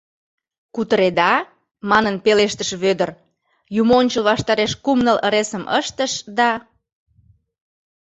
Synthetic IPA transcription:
kut̪əɾed̪ɑ | mɑnənpeleʃt̪əʃβød̪ər | jumoonʲt͡ɕəlβɑʃt̪ɑɾeʃkumnələ̰ɾesəmʔə̰ʃt̪əʃd̪ɑ

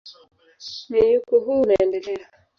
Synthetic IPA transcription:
nijukuɦunaɛndɛlɛa

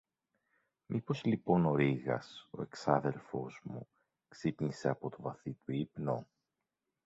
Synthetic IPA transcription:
mipo̞zlipo̞no̞ɾiɣɐ̰so̞̰e̞ksɐðe̞lfo̞zmu | ksipɲise̞ɐpo̞t̪o̞vɐθit̪uipno

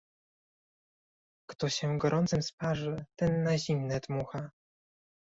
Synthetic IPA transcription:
kt̪ɔɕɛɡɔɾʔɔnt̪sɘmspaʐɘt̪ɛnːaʑimnɛd̪muxa

